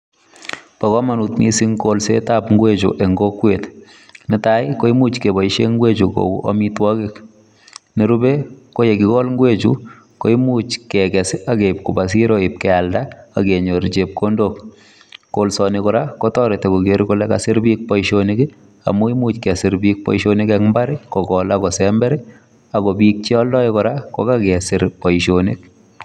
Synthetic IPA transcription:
pakɔmanutnisiŋkolsetapŋɡwet͡ʃṵʔeŋɡokwet | nɪtajkoimut͡ʃkebɔiʃeŋɡwet͡ʃuko̰ṵʔɔ̰mitwɔkɪk | niɾubekojekikɔlŋɡwet͡ʃṵ | koimut͡ʃkɛkɛsakeip̚kubas̬iɾoip̚kɛaldaakeɲoɾt͡ʃep̚kʰondok | kolsɔnikɔɾakotɔɾetekoɡeɾkolɛkasɪɾbik̚pɔiʃonɪɡi | a̰muimut͡ʃkɛsɪɾbik̚pɔ̰iʃonikɛkmbaɾikɔkɔlakɔsɛmbɛɾi | akɔbik̚t͡ʃiɔldɔikɔɾako̰kakɛsɪɾpɔiʃonḭk̚

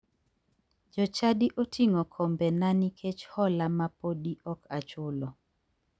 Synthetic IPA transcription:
d͡ʒɔt͡ʃadiʔotʰiŋɔkʰɔmbɛnanikʰet͡ʃhɔlamapodiʔɔkat͡ʃʊlɔ

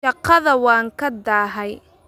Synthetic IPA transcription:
ɐqːɑðɐwɑːŋkʰɐd̪aːɦɛj

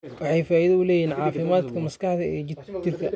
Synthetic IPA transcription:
wɑħɑjfaːiðɐʊlɛːjiːnʕɑːfɪmaːd̪kʰɐmɐskɑħðɐɛːt͡ʃɪrkʰɐ

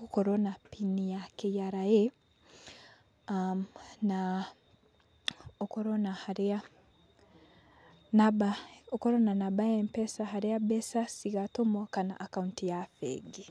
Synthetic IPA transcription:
kukoɾonapʰinijakejaɾaje | amna | okoɾonahaɾa | nabaokoɾonanabajempesaɦaɾiabesasiɣatomokana̰ʔːkauntijafḛɡi

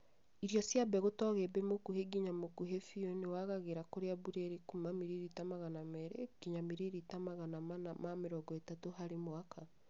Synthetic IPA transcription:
iɾjɔsjabɛɣotɔɣɛbɛmokuɦeɡiɲamokuɦefionewaɣaɣeɾakoɾeabuɾeɾekumamiɾiɾitamaɣanamɛɾeɡ̥iɲamiɾiɾitamaɣanamanamameɾɔɡɔetatoɦaɾemoaka

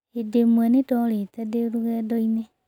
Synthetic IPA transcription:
edemwanetɔletadeɾuɣɛdoine

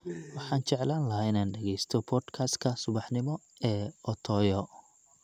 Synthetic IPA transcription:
wɑħɑːnt͡ʃɛʕlaːnlɐɦaːɪnaːnɖɛɣɛjst̪ʰɔpʰɔːd̪kʰast̪kʰɐsʊβɑħnɪmɔ | ɛːɔt̪ʰɔːjɔ

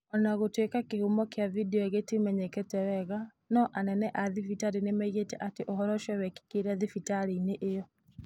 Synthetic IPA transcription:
ɔnaɣotwekakehumɔkeavideɔeɣetemɛɲɛkɛtɛwɛɣa | nɔʔanɛnɛʔaðifitaɾinemaiɣetɛ̰ʔateʔohɔɾɔʃɛwɛki̥keɾɛðifitaɾeineʔejɔ

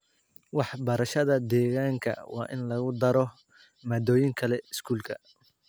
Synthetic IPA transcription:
wɑħbɐɾɐʃɐðɐd̪ɛːɣaːŋkʰɐ̰wɑ̰ːʔɪ̰nlɐɣʊd̪ɐɾɔ | maːd̪ɔːjɪŋkʰɐlɛɪskʰuːlkʰɐ

